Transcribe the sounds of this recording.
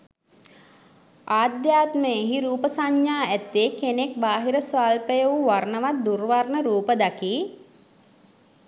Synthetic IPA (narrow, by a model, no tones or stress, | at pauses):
aːd̪jaːt̪məeɦiɾuːpəsaɲːjaːæt̪ːekenek̚baːɦiɾəsʋaːlpəjəuʋarnəʋat̪̚d̪urʋarnəɾuːpəd̪akiː